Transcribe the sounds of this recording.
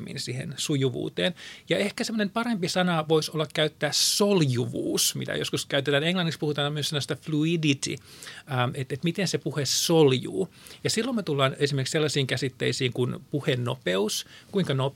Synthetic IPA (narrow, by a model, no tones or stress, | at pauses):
mːḭnsihḛnsujuʋṵːt̪eːnjɑehkæsemːŏnempɑrempisɑnɑʋoisolːɑkkæyt̪ːæːssoljuʋṵːsmḭt̪æ̰jo̰skuskæyt̪et̪æːneŋlɑnːikspuhut̪ɑːnmyøsenːost̪ɑfluidit̪ḭː | et̪et̪mit̪ensepuhessoljṵː | jɑsilːommet̪ulːɑːnesimerkselːɑsiːŋkæsit̪ːḛisiːŋkunpuhenːo̰peuskuiŋkɑno